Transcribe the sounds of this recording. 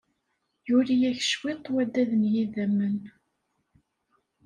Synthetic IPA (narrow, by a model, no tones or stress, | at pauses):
juɾijæçə̥ʃwit̪ˤːwæd̪ːæðənjiðæmːən